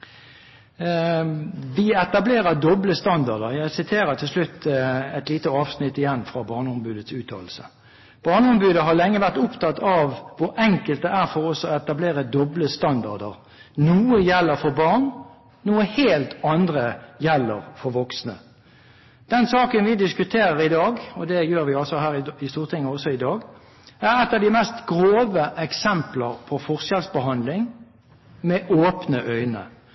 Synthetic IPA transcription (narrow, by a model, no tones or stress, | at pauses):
ʋɪɛt̪ɑbleːʁəʁd̪ɔbləst̪ɑnd̪ɑʁd̪əɾjæɪsɪt̪ʰeːɾət̪ʰɪlslʉt̪ʰːɛt̪liːt̪əɑːʋsnɪt̪ːɪjɛnːfʁɑbɑːʁnəɔmbʉːd̪ət̪sʉːt̪ʰɑ̰ːl̩sə | b̥ɑːnəɔmbʉːd̪əɦɑʁlɛŋːəʋæʁt̪ʊpt̪ɑt̪ʰɑʋʋʊɾʔɛŋkəlt̪̚d̪ɛæʁfɔɾɔsɔɛt̪ɑbleːʁəd̪ɔbləst̪ɑnd̪ɑd̪əʁ | nuːəjɛlːəɾfɔɾbɑʁn | nuːəheːlt̪ʰɑnd̪ʁəjɛlːəɾfɔɾʋɔksnə̰ | d̪̥ɛnsɑːkənʋɪd̪ɪskʉt̪ʰeːɾəɾɪd̪ɑːɡɔd̪ɛjøːɾʋɪɑlsɔɦæːʁɪɪst̪uːʁt̪ʰɪŋːəɔsɔɪd̪ɑːɡ | æɾɛt̪ːɑʋd̪ɪmɛst̪ɡɾoːʋəʔɛksɛmpləʁpʰɔfɔʁsɛlsbəɦɑnd̪lɪŋ | mɛʔoːpnəʔœʏnə̰